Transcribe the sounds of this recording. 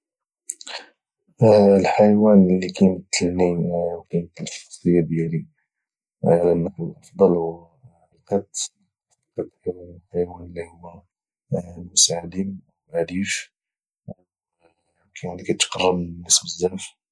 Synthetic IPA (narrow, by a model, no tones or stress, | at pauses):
lħəjwænlːikænət̪ːəlniwkænt̪ːəlfsˤəjːad̪jæli | ʕlænːafwəlʔɑfd̪ˤɑlhʊ | liqɑt̪ | fiqɑt̪ħħajwænlihʊmːæ | mʊsaʕad̪inwʕæd̪iʃ | kʰælikæt̪qɑrˤːəbnːəsbəzːæf